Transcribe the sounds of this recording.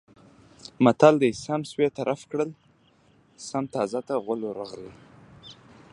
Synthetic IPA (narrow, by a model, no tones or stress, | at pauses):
mat̪ald̪əjsamswet̪aɾʔafkɽəl | samt̪ɑzat̪aɣʊloɾaɣli